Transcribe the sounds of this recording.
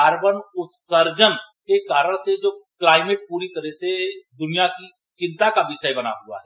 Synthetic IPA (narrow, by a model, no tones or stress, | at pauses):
aːɾbənʊt̪səɾd͡ʒənkekaːɾəɽ̃sed͡ʒoːklaːɪmeʈ̚puːɾit̪ɐɾəɦsed̪ʊnijaki | t͡ʃɪ̃nt̪akabɪʃəjbɐna̰ɦʊa̰ɦɛ